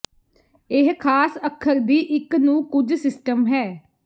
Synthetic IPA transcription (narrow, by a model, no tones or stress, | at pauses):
ɪɦkʰaːsəkʰːəɾd̪iːʔɪknũːkʊd͡ʒsɪsʈəmɦɛː